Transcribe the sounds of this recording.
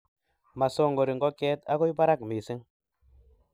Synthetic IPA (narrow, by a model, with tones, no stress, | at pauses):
ma˨so˦˨ŋɡo˨ɾi˨ŋɡo˦ke˦t̪a˦ko˦jba˦ɾa˦kmi˨si˦ŋ